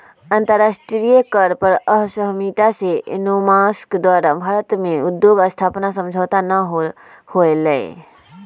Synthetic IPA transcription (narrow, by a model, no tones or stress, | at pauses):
ənt̪əɾasʈɾijəkəɾpəɾəɦsəɦmit̪asenomaskd̪waːɾabʱaːɾət̪mẽud̪joɡəst̪ʰapnasə̃md͡ʒʱəːt̪anəɦ | hoelɛe